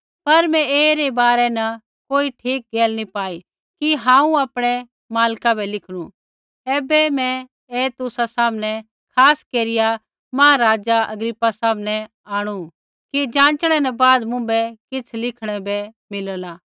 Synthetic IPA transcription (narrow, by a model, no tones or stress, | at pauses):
pɐɾmɛ̃eːɾebaːɾɛnɐ | koːiʈʰiːk̚ɡeːlnipaːi | kiɦãːũaːpɽ̃ɛ | maːlkabʱɛlɪkʰɽ̃ũ | ɛːbɛmɛ̃ | eːt̪ʊsasaːmnɛ | kʰaːskeːɾɪja | mɐːaɾaːd͡ʒaʔɐ̰ɡɾɪpːasaːmnɛ | aːɽ̃u | kid͡ʒãːt͡ʃɽ̃ɛnɐbaːd̪mʊ̃bɛkɪt͡sʰlɪkʰɽ̃ɛbɛ | mɪləlaː